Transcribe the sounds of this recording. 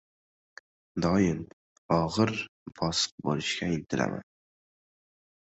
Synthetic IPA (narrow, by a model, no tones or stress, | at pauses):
d̪ɒjɪm | ɒʁɨɾfʰɒsɨ̥q̚bo̰lɪʃkʲaɪlt̪ʰɪla̰mʔa̰n